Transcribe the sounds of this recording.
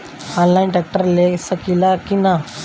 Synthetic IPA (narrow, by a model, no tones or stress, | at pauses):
ãnlajnʈɛk̚ʈəɾlesəkilakina